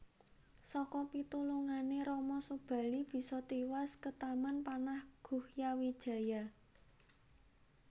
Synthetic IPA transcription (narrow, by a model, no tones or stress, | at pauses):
sɔkɔpit̪uluŋaneɾɔmɔsub̥ä̤lib̥i̤sɔt̪iwaskət̪amanpanahɡ̥ṳhjawid̥ʒ̥ä̤ja